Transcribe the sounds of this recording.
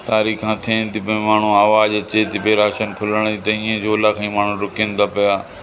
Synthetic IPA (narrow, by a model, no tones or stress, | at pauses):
t̪aːɾiːkãːt̪ʰẽnt̪ipẽmaːɳ̤ũaːʋaːd͡ʒɐt͡ɕet̪ʰipeɾaːʃənkʰʊləɽ̃it̪ɐĩːẽd͡ʑoːlakʰãːĩːmaːɳ̤ũɾʊkẽnd̪aːpɐjaː